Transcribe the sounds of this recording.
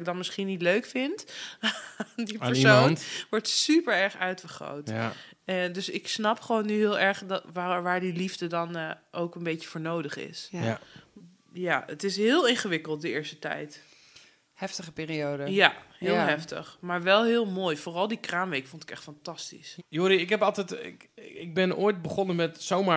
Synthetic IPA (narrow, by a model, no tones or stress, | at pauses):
ɡ̚dɑnmɪsχinitløɥkfɪnt | ndipəɹsonʋɔɹtsypəɹɛɹχœɥtfəɹχro̰wt | dɵsɪksnɑpχəʋownːyɦɪːlˠɛɹχdʋaʋaːɹdilivdədɑnʔowkənbejəvoːɹnowdəχɪ̰s | jaətɪsɦɪːlˠɪnχəʋɪkəlˠt̚dəɪːɹstətɛ̰jt | hɛftəχəpiːɾiowdəjahɪːlˠɦɛftə̰χmaːɹʋɛlˠɦɪːlˠmoːjfoːrɑlˠdikraːmʋejkfontɪ̥kɛχtfɑntɑstḭsjoɾiɪkɛpɑlˠtɛjtɪ̰ɪɡ̚bɪno̰ːjt̚bəχɔnəmɛtsowma